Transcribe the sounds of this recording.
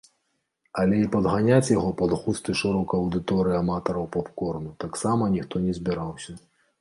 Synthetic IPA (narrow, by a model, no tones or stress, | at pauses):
ɐlʲɛipɐd̪ɣanʲat͡sʲjaɣɔpɐd̪ɣust̪ɐjʂɨɾɔwkɐɐwd̪ɨt̪ɔɾɨiamat̪ɐɾɐwpɔpkɔrnut̪aksamɐnʲixt̪ɔnʲɛzʲbʲiɾawsʲɐ